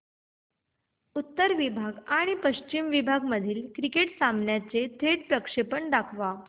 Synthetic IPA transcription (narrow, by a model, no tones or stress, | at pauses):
ut̪ːəɾʋibʱaɡaɽ̃ipəɕt͡ɕimʋibʱaɡməd̪ʱiːlkɾikeʈsambɳjat͡set̪ʰeʈpɾəkʂepəɳɖakʰʋa